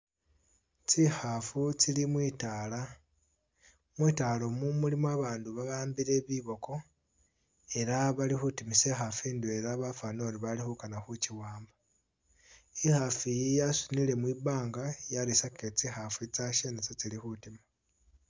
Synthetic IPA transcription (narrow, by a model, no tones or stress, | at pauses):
t͡sixafut͡silimwiːtaːla | mwiːtalo̞mumulimwaβaːnduβaβaːmbiɾe̞βiβo̞ko̞ | e̞ɾaβalixutimisexafiːndue̞ɾaβafano̞ɾiβalixukanaxuciwaːmba | ixafijjasunile̞mwiβaːŋɡajaɾisaket͡sixafit͡saʃenet͡set͡silixutima